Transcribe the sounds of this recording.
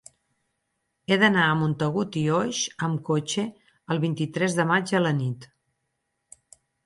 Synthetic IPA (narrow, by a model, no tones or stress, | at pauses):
eðənaəmunt̪əɣ̞ut̪ioʃəmkot͡ʃe | əlˠβint̪it̪ɾɛzðəmad͡ʒələnit̪